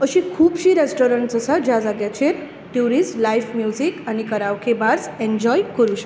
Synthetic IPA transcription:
əɕĩkʰuːbɕiːɾesʈɔɾəɳʈsəsad͡ʑjad͡zaɡjat͡ɕeɾ | ʈjuɾisʈlajfmjuzikanikəɾaʋkʰebaɾsẽnd͡ʑɔjkəɾuɕə̥k

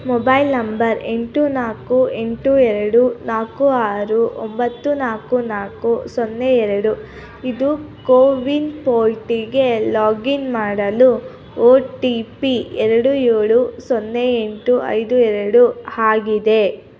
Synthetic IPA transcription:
mɔbɐjlnɐmbɐɾe̞ɳʈunaːkue̞ɳʈuɛɾɐɽunaːkuaːɾuʔo̰mbɐt̪ːunaːkunaːkusonːeɛɾɐɽu | id̪ukoːʋinpoːlʈiɡe̞laːɡinmaːɽɐlu | oːʈipiɛɾɐɽueːɭusonːeeɳʈuʔɐ̰jd̪uɛɾɐɽuhaːɡid̪e̞

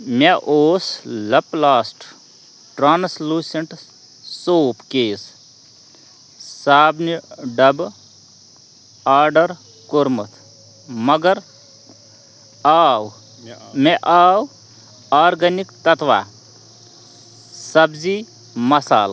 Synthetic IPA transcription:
meʔoːslɐplaːsʈ | ʈɾaːnsluːseɳʈ | soːpkeːs | saːbniɖɐb | aːɾɖəɾ | koɾmɐt̪ʰ | mɐɡəɾ | aːw | meʔaːw | aːɾɡɐnikt̪ɐt̪ʰʋa̰ | sɐbzi | mɐsa̰ːl

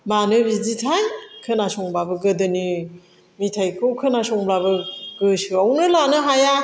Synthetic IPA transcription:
manɯbizitʰajkʰɯnasɔŋbabɯɡɯdɯni | mitʰajkʰɯwkʰɯnasɔŋblabɯɡɯsɯawnɯlanɯɦaja

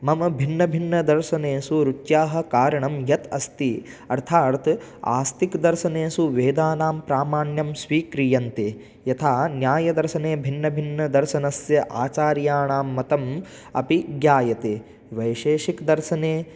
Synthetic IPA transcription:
mɐmɐbʱinːɐbʱinːɐd̪ɐɾʃɐneːsuɾut͡ʃjaːɦɐ̆kaːɾɐɳɐmjɐt̪ɐst̪i | ɐɾt̪ʰaːɾt̪a̰ːst̪ikd̪ɐɾʃɐneːsuʋeːd̪aːnaːmpɾaːmaːɳjɐmsʋiːkɾijɐnt̪eː | jɐt̪ʰaːnjaːjɐd̪ɐɾʃɐneːbʱinːɐbʱinːɐd̪ɐɾʃɐnɐsjɐʔaːt͡ʃaːɾjaːɳaːmːɐt̪ɐm | ɐpiɡjaːjɐt̪eː | ʋɐjʃeːʃikd̪ɐɾʃɐneː

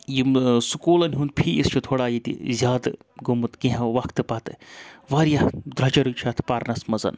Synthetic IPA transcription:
jimsukuːlɐnʲɦũnd̪̚pʰiːist͡ʃʰut̪ʰoːɽaːjit̪ḭzʲaːd̪ | ɡumut̪ɡẽɦʋɐkʰt̪ɨpɐt̪ɨʋaːɾjad̪ɾɐt͡ʃɐɾut͡ʃʰat̪ʰpaːɾnɐsmɐzɐ̰n

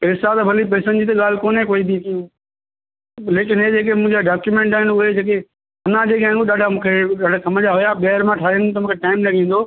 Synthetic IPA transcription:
ɾɪsaːt̪ɐbʱɐlip̬eːsənɪ̆d͡ʑiːt̪̬ɐɠaːl̤ɪkoːnekoːib̪ʱikĩ | leːkɪnɦed͡ʑeːk̬emʊ̃ɦɪ̃ɲd͡ʑaɖaːkjumẽːɳʈaːɪnʊɦed͡ʑeːk̬e | ʊnãd͡ʑeːkaːɪ̃ŋɡoɗaːɖʱamũːkʰeɗaːɖʱakɐməd͡ʑaɦʊjaɓɛːɦɾmãʈʰaːiənt̪ɐmũːkʰeʈaːɪmlɐɡʱĩːnd̪o

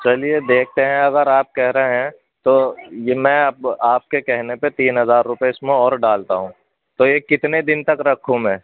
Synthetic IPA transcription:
t͡ʃɐlied̪eːk̚ʰt̪eɦɛ̃ɐɡəɾaːp̚kɛɦɾɐɦeɦɛ̃ | t̪oːjemɛ̃ɐpaːp̚kekɛɦnepet̪iːnɦɐzaːɾːʊpeɪsmẽɔːɾɖaːlt̪aɦũː | t̪ojekɪt̪ned̪ɪnt̪ɐkɾɐkʰũmɛ̃ː

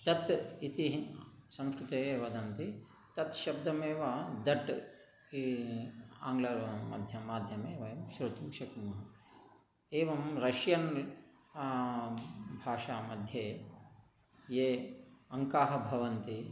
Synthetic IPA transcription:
t̪ɐt̪it̪isɐ̃mskɾut̪eːʋɐd̪ɐnt̪i | t̪ɐt̪ʃɐb̚d̪ɐmeːʋɐd̪ɐʈ | i | aːŋɡlɐɾmɐ̰d̪ʱjɐmaːd̪ʱjɐmeːʋɐjɐmʃɾɐt̪uːʃɐkmɐɦɐ | eːʋɐmɾɐʃjɐn | bʱaːʃaːmɐd̪ʱjeː | jeːɐŋkaːɦɐbʱɐʋɐnt̪i

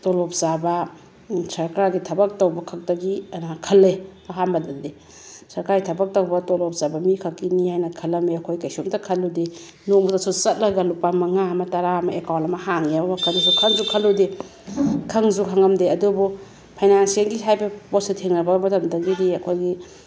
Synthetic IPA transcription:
tolop̚zabɐ | sɐɾkɾaɡitʰɐbɐk̚towbɐkʰɐk̚dɐɡiɐnakʰɐlːeɐɦanbɐdɐnde | sɐɾkaɾjtʰɐbɐk̚tɐwbɐtolɔp̚z̥abɐmikʰakːinihajnɐkʰɐlɐmeɐkʰojkajsoŋtɐkʰɐlude | nomutasusɐt̚lɐɡɐlupamɐŋaɐmɐtɐɾamɐekawlɐmɐhaŋiabɐmɐkʰɐnasukʰɐŋzukʰɐlːude | kʰɐŋzuɦʰaŋɐmdeɐdubu | pʰajnansiaŋɡiɦajbɐbosetʰeŋnɐbɐɡɐmɐtɐmdɐɡidiɐkʰojɡi

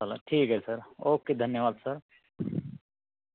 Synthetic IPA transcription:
əlaʈʰiːkɦɛsəɾoːkːid̪ʱənjəʋaːd̪səɾ

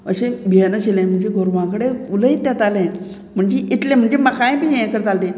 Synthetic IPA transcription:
əɕẽbʱiənəɕelẽm̤əɳd͡ʑeɡʱoɾʋãkəɽeuləit̪ːjat̪alẽ | m̤əɳd͡ʑeʔit̪lẽm̤əɳd͡ʑeməkajẽpiẽekəɾt̪alt̪ẽ

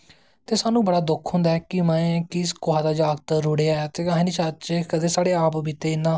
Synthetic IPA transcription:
t̪eːsaːnũːbəɽaːd̪ʊkʰːõːnd̪aːɛːkɪmɛ̃ːkɪskoɦaːd̪aːd͡ʒaːɡt̪ɾʊːɽeːaːɛt̪eːaɦẽnit͡ʃat͡ʃekəd̪eːsaːɽeːaːpbiːt̪eːɪnãː

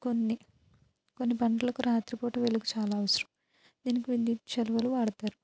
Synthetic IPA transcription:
ko̞nːi | ko̞nːipɐɳɖɐlɐkuɾaːt̪ɾipoːʈɐʋeluɡut͡ʃaːlaːʋɐsɐɾɐm | d̪̥iːnikiʋind̪it͡ʃɐluʋɐluʋaːɽɐt̪aːɾu

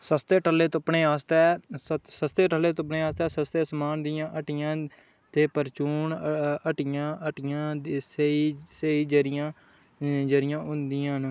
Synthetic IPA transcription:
səst̪eːʈəlːeːt̪oəpɳeːaːst̪ɛːsəst̪eːʈəlːeːt̪oːp̬ɳeːaːst̪ɛːsəst̪eːsəmaːnd̪ɪjãːʔəʈɪjãː | t̪eːpəɾt͡ʃuːnəʈɪjãːəʈɪjãːseiseiːd͡ʒəɾɪjãː | d͡ʒəɾɪjãːʊnd̪ɪjãːn

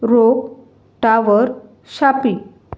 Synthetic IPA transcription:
ɾok | ʈaʋəɾ | ɕapi

